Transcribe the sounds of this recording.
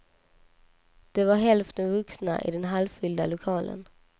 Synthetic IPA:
d̪̥ɛvaɾɦɛlft̪ənvɵksna̰ʔɪ̰d̪ɛnɦalvfʏld̪alʊkʰɑːlʔə̰n

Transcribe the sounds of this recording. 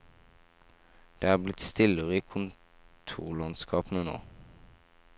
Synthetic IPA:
d̪̥eːæːblɪt̪st̪ɪləʁəiːkʰʊn | t̪ʰṵːʁlɑnskʰɑːpnəno̰ː

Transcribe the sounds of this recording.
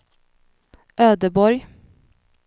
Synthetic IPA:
ʔøːd̪əbɔɾj

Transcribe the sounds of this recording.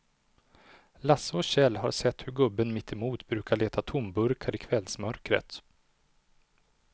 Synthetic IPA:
lasːəɔɕɛlːɦa̰ɾsɛt̪ːhɵɾɡɵbːənmɪt̪ʰːɛmuːt̪bɾʉ̟ːkʰaɭeːt̪ʰat̪ʰʊmbɵɾkʰaɾɪkʰvɛlsmœɾkɾə̰t̪

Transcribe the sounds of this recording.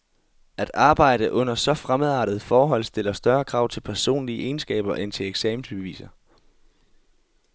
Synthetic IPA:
æd̥ɑ̈ːb̥ɑ̈ɪ̰ɾ̥əʔɔ̽n̰ɐsɒ̽fʁamðˠɑ̰̈ːd̥ð̞̩ˠfɒːɦɒ̽l̰sd̥e̝lɐsd̥ɶɐkʰʁɑ̈ʊ̰t͡sʰe̝lpʰæɐso̝̰ːnliəʔe̝ːnsɡ̥ɛ̰ːb̥ɐʔent͡sʰe̝leɡ̥sɛmm̩sʰy̥eʋḭːsɐ

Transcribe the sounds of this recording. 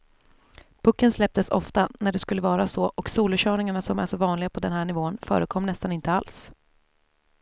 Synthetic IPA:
pʰɵkːənslɛp̚t̪əsɔ̰ft̪anæɖɛskɵlːəvɑːɾasɔʔɔksuːlɵɕœːɳɪŋaɳasɔmæ̰ʂɔvɑːnlɪɡapʰɔd̪ɛnɦæːɳɪvoːnfœ̰ːɾəkʰɔmːnɛst̪anɪnt̪əals

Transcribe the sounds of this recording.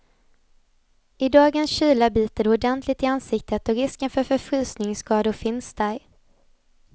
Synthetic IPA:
ʔɪd̪ɑːɡənsɕyːlabiːt̪əɾʊd̪ɛnt̪ʰlɪt̪ɪansɪkt̪ʰət̪ɔɾɪskənfœɾfœɾfɾʉ̟ːsnɪŋskɑːd̪ʊfɪnsd̪æɾ

